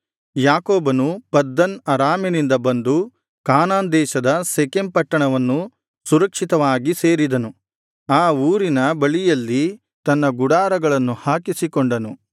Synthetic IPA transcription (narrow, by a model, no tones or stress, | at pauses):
jaːkoːbɐnupɐd̪ːɐnɐɾaːmenind̪ɐbɐnd̪u | kaːnaːnd̪ɛːʃɐd̪ɐsekempɐʈːɐɳɐʋɐnːu | suɾɐkʂit̪ɐʋaːɡise̞ːɾid̪ɐnu | aːuːɾinɐbɐɭijɐlːi | t̪ɐnːɐɡuɽaːɾɐɡɐɭɐnːuhaːkisikoɳɖɐnu